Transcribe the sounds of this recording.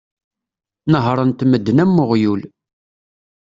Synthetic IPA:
nəɦɾˤənt̪məd̪ːnæmːʊʁjul

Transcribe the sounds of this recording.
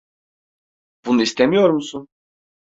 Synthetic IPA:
b̥unuist̪ʰemijoɾmusun

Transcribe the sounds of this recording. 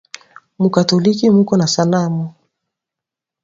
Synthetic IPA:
mukatɔlikimukɔnasanamɔ

